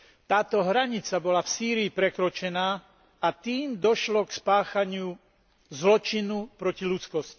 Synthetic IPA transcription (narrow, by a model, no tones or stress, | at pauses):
t̪aːt̪ɔɦɾaɲit͡sabɔlafsiːɾiːpɾɛkɾɔt͡ʃɛnaː | at̪iːmd̪ɔʃlɔkspaːxaɲɪu | zlɔt͡ʃinupɾɔcilut͡skɔsci̥